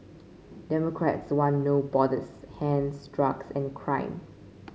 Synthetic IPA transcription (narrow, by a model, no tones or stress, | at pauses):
dɛmɔkʰɹɛ̰tswãnːobɔdəshɛ̃nsdɹaksɛ̃nkʰɹãɪ̃m